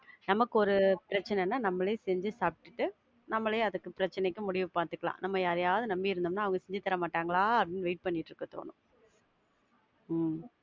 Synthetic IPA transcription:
nɐmɐkːɯɔɾɯpɪɾɐt͡ʃːɐnɛnːaːnɐmːɐɭeːsɛɲd͡ʒɯsaːpɪ̥ʈːɯʈːɯ | nɐmːɐɭeːɐðɯkːɯpɪɾɐt͡ʃːɐnɛkːɯ̃mʊɽɪʋɯpaːɾt̪ɯkːɐɭã̰ːnɐmːɐjaːɾɐjaːʋɐðɯnɐmbiɪɾɯnd̪ɯmnːaːɐʋɐŋɡɐsɛɲd͡ʒɯt̪ːɐɾɐmaːʈːaːŋɡɐɭaːɐpɽɪnːʋɛɪʈ̚pɐɳːɪʈːɾɯkːɐt̪o̰ːnʊ̰̃

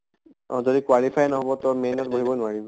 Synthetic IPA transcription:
ɔ̰zodikwalipʰajnɔɦɔbɔtɔmejnɔt̚boɦibɔnʊaɹibɔ

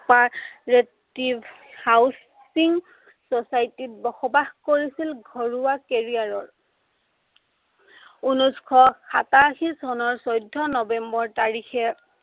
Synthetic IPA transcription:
paɹetib | haws | iŋ | sɔsajtit̚bɔxɔbaxkoɹisilɡʱɔɹuwakeɹijaɹɔɹ | unuskʰɔxataxisɔnɔɹsɔjdʱːɔnɔbɛmbɔɹtaɹixɛ

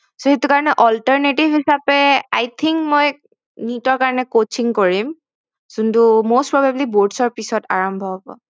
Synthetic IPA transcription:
soɦetukaɹɔnɛʔɔlʈəɹneʈibʱɦisapɛajt̪ʰiŋkmɔj | nitɔɹkaɹɔnɛkot͡ʃiŋkoɹim | zuntumostpɹɔbabliboɹɖsɔɹpisɔtaɹɔmbʱɔɦobɔ̰

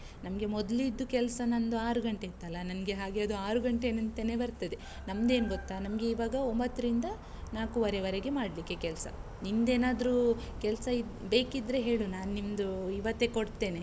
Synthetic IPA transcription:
nɐmɡe̞mɔd̪lid̪ːukɛlsɐnɐnd̪uaːɾuɡɐɳʈet̪ːɐlːɐnɐmɡe̞ɦaːɡeɐd̪uaːɾuɡɐɳʈeːnɐnt̪ːenebɐɾt̪ɐd̪e | nɐmd̪e̞ːnɡot̪ːaːnɐmɐɡe̞iːʋaːɡɐombɐt̪ːɐɾind̪ɐ | naːkuʋɐɾeʋɐɾeɡe̞maːɽlikːekɛlsɐ̰ | nind̪e̞ːnaːd̪ɾukɛlsɐid̪be̞ːkid̪ɾe̞ɦe̞ːɭunaːnnimd̪uiʋɐt̪ːe̞koɽt̪e̞ːne

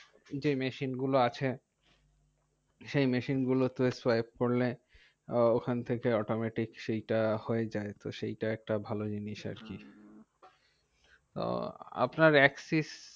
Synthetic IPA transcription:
d͡ʑemeʃinɡuloat͡ɕʰe | ʃejmeʃinɡulot̪uespajb̚koɾle | okʰant̪ʰekeɔʈomɛʈikʃejʈahoed͡ʑaet̪oʃejʈaɛk̚ʈabʱalod͡ʑiniʃa̰ɾki | t̪o̰a̰pnaɾɛksis

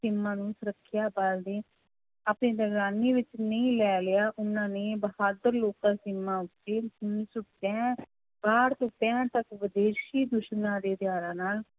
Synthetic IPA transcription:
sɪmːãːnũːsəɾəkʰːɪjaːbald̪eː | aːpneːd̪əɡaːniːʋɪt͡ʃnəĩːlɛːlɪjaːʔʊnãːneːbəhaːd̪əɾloːkd̪ãːsɪmːãːʊt̪ːeːʊnsʊʈɛ̃ː | baːɾt̪õːpɛ̃ːt̪əkʋəd̪eːʃiːd̪ʊʃnãːd̪eːd̪ɪjaːɾãːnaːl

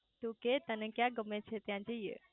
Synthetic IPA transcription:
t̪uket̪ənẽkjaɡəmẽt͡ʃʰet̪jãd͡ʒijḛ

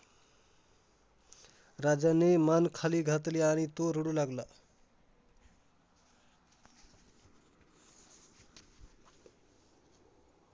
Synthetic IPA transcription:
ɾad͡zanemankʰaliɡʱat̪leañit̪oɾoɽulaɡla

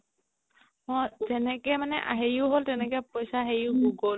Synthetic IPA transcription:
mɔjzɛnɛkɛmanɛʔa̰ɦejʊɦoltɛnɛkɛpojsaɦejʊɡuɡol

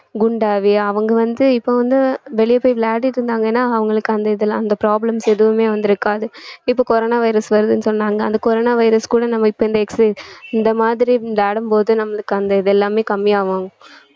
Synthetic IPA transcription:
ɡʊɳɖaːʋiɐʋɐŋɡɐʋɐnd̪ɯɪpːoːʋɐnd̪ɯʋɛɭɪjɐpːoːjflaːʈɪʈːɪɾɯnd̪aːŋɡɐeːnːaːɐʋɐŋɡɐɭɯkːɯɐnd̪ɐɪðɛlãɐnd̪ɐpɾaːblɐmsɛðɯʋɯmeːʋɐnd̪ɪɾɯkːaːðɯɪpːoːkɔɾoːnaːʋɐɪɾɐsʋɐɾɯðɯnːɯsɔnːaːŋɡɐɐnd̪ɐkɔɾoːnaːʋɐɪɾɐskuːɽɐnɐmːɐɪpːoːɪnd̪ɐɛksɐɪnd̪ɐmaːðɪɾinlaːɽɯmpoːðɯnɐmːɐɭɯkːɐnd̪ɐɪðɛlːaːmeːkɐmːɪjaːʋaːŋɡɐ

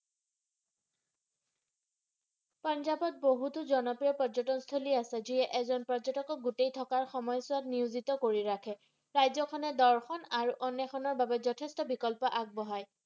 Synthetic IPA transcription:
panzabɔt̚boɦutʊzɔnɔpɹijɔpɔzɔtɔnstʰoliasɛziɛʔɛzɔnpɔd͡ʒɔtɔkɔɡutejtʰɔkaɹxɔmɔjsʊatniuzitɔkoɹiɹakʰɛ | ɹajzɔkʰɔnɛdɔɹxɔnaɹuʔɔnɛxʰɔnɔɹbabɛzɔtʰestɔbikɔlpɔʔaɡ̚bɔɦaj

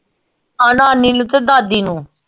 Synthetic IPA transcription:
anãːnilut̪ed̪aːd̪iːnũː

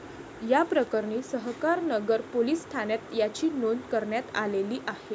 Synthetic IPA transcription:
japɾəkəɾɳiːsəɦkaɾnəɡəɾpoliːsːʈ̪ʰanjat̪jat͡ɕiːnonkəɾɳjat̪a̰leliːʔahe

